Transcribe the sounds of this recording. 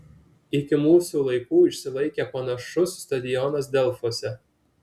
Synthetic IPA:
ɪkʲɪmuːsulˠɐɪkuːɪʃsʲɪlˠɐɪkʲɛpɐnɐʃʊsːt̪ɐd̪ʲɪjɔnɐs̬d̪ʲɛlˠfosʲɛ

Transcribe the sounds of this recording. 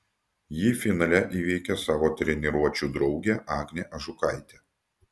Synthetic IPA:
jiːfʲɪnɐlʲɛʔiːʋʲɛɪkʲɛsɑːʋoːt̪ʲɾʲɛnʲɪɾuɔt͡ʃʲuːd̪ɾɒʊɡʲeːʔɑːɡnʲeːˑʔɐʒʊkɑˑɪt̪ʲeː

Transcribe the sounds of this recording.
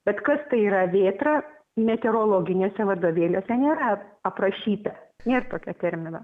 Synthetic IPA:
b̥ʲɛt̪kɐst̪ɐɪiːɾɐʋʲeːt̪rɑ | mʲɛt̪ʲɛɾoːlˠoːɡʲɪnʲoːsʲɛʋɐrd̪oːʋʲeːlʲoːsʲɛnʲeːɾɐɐprɐʃʲiːt̪ɐnʲeːrt̪oːkʲɛt̪ʲɛɾʲmʲɪnɐ

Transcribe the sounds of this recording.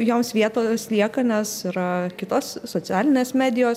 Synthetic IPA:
joːmsʋʲiɛt̪oːslʲiɛkɐnʲɛsɪɾɐkʲɪt̪oːsːoːt͡sʲæːlʲɪnʲeːsmʲæːd̪ʲɪjoːs

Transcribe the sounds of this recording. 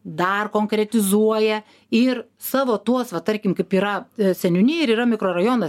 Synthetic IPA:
d̪ɐrkoːŋkɾʲɛt̪ʲɪzuɔjɛ | ɪr | sɑːʋoːt̪uɔsʋɐt̪ɐɾʲkʲɪmkɐɪpiːɾɐsʲɛnʲʊnʲɪːɪɾiːɾɐmʲɪkroːrɐjoːnɐ

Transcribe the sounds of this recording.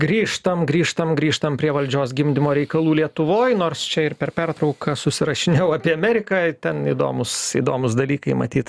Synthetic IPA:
ɡɾʲiːʃt̪ɐmɡɾʲiːʃt̪ɐmɡɾʲiːʃt̪ɐmpʲɾʲiɛʋɐlʲd͡ʒʲoːsɡʲɪmʲd̪ʲɪmoːɾʲɛɪkɐlˠuːlʲiɛt̪ʊʋoːjnoːɾst͡ʃʲɛɪɾpʲɛrpʲɛrt̪ɾɐʊkɐsʊsʲɪɾɐʃʲɪnʲɛʊɑːpʲiɛɐmʲɛɾʲɪkɑːt̪ʲɛnid̪o̰ːmʊsḭd̪oːmʊsd̪ɐlʲiːkɐɪmɐ̰t̪ʲiːt̪

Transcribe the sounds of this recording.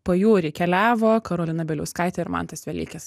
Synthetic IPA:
poːjuːɾʲɪkʲɛlʲæːʋoːkɐɾoːlʲɪnɐbʲɛlʲɛʊskɐɪt̪ʲɛɪɾmɐ̰nt̪ɐsʋʲɛlʲḭːkʲɛs

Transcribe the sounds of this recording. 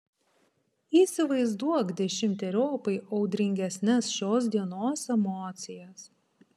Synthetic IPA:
iːˑsʲɪʋɐɪzd̪uɔɡd̪ʲɛʃʲɪmʲt̪ʲɛɾʲoːpɐɪʔɐʊd̪ʲɾʲɪŋʲɡʲɛsʲnʲɛsʃʲoːs̬d̪ʲiɛnoːsɛmɔːt̪sʲɪjɛs

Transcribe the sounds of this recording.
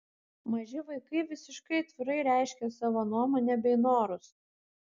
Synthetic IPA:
mɐʒʲɪʋɐɪkɐɪʋʲɪsʲɪʃkɐɪɐt̪ʲʋʲɪɾɐɪɾʲæˑɪʃʲkʲɛsɑːʋoːnuɔmoːnʲɛbʲɛɪnoːɾʊs

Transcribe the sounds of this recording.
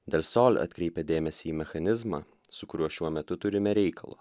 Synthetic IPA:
d̪ʲelʲsoːlʲɐ̰t̪ʲkʲɾʲɛɪpʲɛd̪ʲeːmʲɛsʲiiːmʲɛxɐnʲɪzmɑ̰ː | sʊkʊɾʲuɔʃʲuɔmʲɛt̪ʊt̪ʊɾʲɪmʲɛɾʲɛɪkɐlˠo̰ː

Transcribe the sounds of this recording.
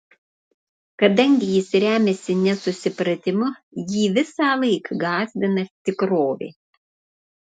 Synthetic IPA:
kɐd̪ɐŋʲɡʲɪjɪsɾʲæːmʲɛsʲɪnʲɛsʊsʲɪpɾɐt̪ʲɪmʊ | jiːʋʲɪsɑːlˠɐɪkɡɑːzʲd̪ʲɪnɐt̪ʲɪkɾoːʋʲḛː

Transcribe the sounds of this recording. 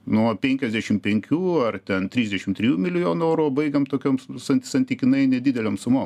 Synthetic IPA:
nuɔpʲɛŋʲkʲɛzʲd̪ʲæʃʲɪmpʲɛŋʲkʲuːɐrt̪ʲɛnt̪ʲɾʲiːzd̪ʲɛʃʲɪmt̪ʲɾʲɪjuːmʲɪlʲɪjoːnuɛʊɾubɐɪɡɐmt̪oːkʲoːmsɐnʲt̪ʲsɐnʲt̪ʲiːkʲɪnɐɪnʲɛd̪ʲid̪ʲɛlʲoːmsʊmoːm

